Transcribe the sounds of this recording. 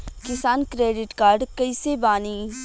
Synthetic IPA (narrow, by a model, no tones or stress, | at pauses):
kɪsaːnkɾeːɖɪʈkaːɾɖkɐisebaːniː